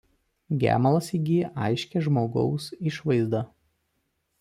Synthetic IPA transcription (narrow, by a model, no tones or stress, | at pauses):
ɡʲæ̰ːmɐlˠɐsiɡʲiʔɐɪʃʲkʲɛʒmoːɡɒ̰ʊsɪʃʋɐɪzd̪ɐ